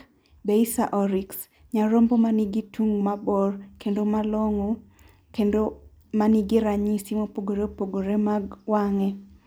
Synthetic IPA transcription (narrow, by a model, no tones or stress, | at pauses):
beisaʔɔɾiks | ɲaɾɔmbɔmaniɡitʰuŋmabɔrkendomalɔŋɔ | kendo | maniɡɪɾaɲisimopoɡoɾeopoɡoɾemaɡwaŋɛ